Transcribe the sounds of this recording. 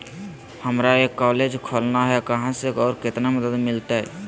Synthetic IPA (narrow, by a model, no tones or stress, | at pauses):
həmɾaekːɔːled͡ʒkʰolnaɦɛkəɦãseɔːɾkɪt̪naməd̪əd̪mɪlt̪aɦɛ̰